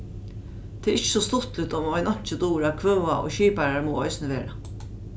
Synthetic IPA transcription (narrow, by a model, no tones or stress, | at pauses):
t̪ʰɛːʔɪt͡ɕːə̥sɔst̪ʊt̪lɪt̪ʊmɔjnɔɲ̥t͡ʃəd̪uːɾakʰvœːaʔo̰ːɕiːpaɾaɹmuːɔʏsnəʋeːɾa